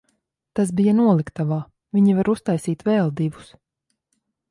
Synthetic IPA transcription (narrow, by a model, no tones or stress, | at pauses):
t̪asbijanuɔlˠikt̪avaː | viɲivaɾust̪ajsiːt̪vɛːlˠd̪ivu̥s